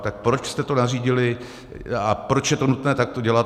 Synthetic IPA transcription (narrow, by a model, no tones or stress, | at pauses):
t̪ak̚pɾo̞t͡ʃst̪ɛt̪o̞nariːɟɪlɪ | apɾot͡ʃjɛt̪o̞nut̪nɛːt̪ak̚t̪o̞ɟɛlat̪